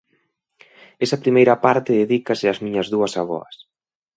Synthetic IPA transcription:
ɛsɐpɾimejɾɐpaɾt̪ɪðeðikɐsɪazmiɲɐzðuɐsaβɔ̰ɐ̰s

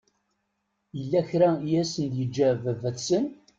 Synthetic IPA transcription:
jəlːæçɾæjæsənd̪jəd͡ʒːævævæθsən

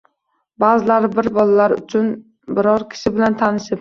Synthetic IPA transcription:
baːzɪlaɾɪbɪɾbɒlalaɾʊ̰t͡ʃʰʊn | bɪɾɒɾkʲʰɪ̥ʃɪbɪlant̪ʰanɪʃɪp

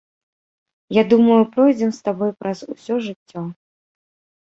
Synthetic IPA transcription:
jad̪umɐjupɾɔjd͡zʲɛmst̪abɔjpɾɐzṵsʲɔʐɨt͡sʲːɔ

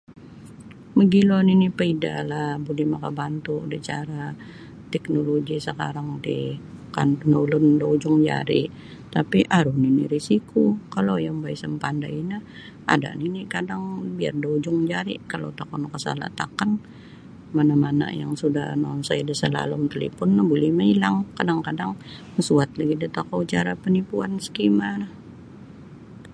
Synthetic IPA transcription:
məɡilɔninipəida̰lahbulɛhmakabant̪udɛt͡ʃaɾa | t̪ɛk̚noloɡisəkaɾaŋdḭ | ka̰nənolʊndaud͡ʒʊŋd͡ʒa̰ɾḭ | t̪apiʔaɾʊninḭɾisikukalojaŋbaisəmpanda̰inah | a̰da̰ʔninikadaŋbia̰rdaud͡ʒʊŋd͡ʒaɾḭkalo̰wt̪akɔnkəsa̰la̰t̪a̰kan | manamana̰ja̰ŋsudahnonsajdəsəla̰lʊmt̪əlḭpʊnːabulimailaŋkadaŋkadaŋ | əsuat̪laɡidət̪akawt͡ʃaɾapənipuansə̥kimanah

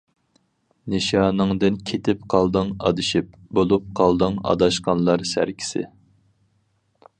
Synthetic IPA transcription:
neʃɑːnɨŋd̪ɨnkʲʰet̪ʰɪp̚qʰɑlˠd̪ɨŋɑ̰d̪ɨʃip̚ | bolˠup̚qʰɑlˠd̪ɨŋɑ̰d̪ɑʃqɑnlˠɑɾsæ̰ɾkʲʰi̥sɪ̰

